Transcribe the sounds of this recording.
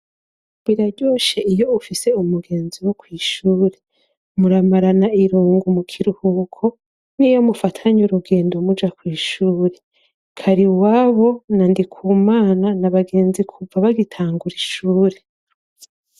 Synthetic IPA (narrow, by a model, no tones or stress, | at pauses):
βiɾaɾɟo̞ːʃe̞ʔijo̞ufise̞umuɡe̞ːnziwo̞kwiːʃuːɾe̞ | muɾamaɾanaʔiɾuːŋɡumukʰiɾuhukʰo̞ | nijo̞mufatʰaɲuɾuɡe̞ːndomud͡ʒakwiːʃuːɾe̞ | kʰaɾiwaːβo̞nandikʰuːmaːnanaβaɡe̞ːnzikʰuvaβaɡitʰaːŋɡuɾiʃuːɾe